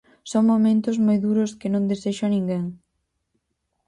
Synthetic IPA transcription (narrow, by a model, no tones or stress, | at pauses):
sɔŋmomẽnt̪ʊzmojðuɾʊskɪnõŋd̪eseʃʊanĩŋɡeŋ